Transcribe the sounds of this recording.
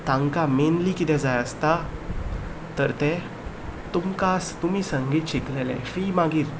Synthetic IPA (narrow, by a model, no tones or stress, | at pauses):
t̪ãŋkamenlikit̪ɛ̃d͡zajəst̪a | t̪əɾt̪ɛ̃ | t̪umkast̪umiːsəŋɡiːt̪ɕiklelɛ̰̃fiːmaɡiːɾ